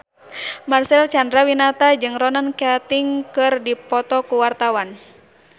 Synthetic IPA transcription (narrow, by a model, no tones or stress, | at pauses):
marsɛlt͡ʃandɾawinat̪ad͡ʒɨŋrɔnankat̪iŋkɨrdipɔt̪ɔkuwart̪awan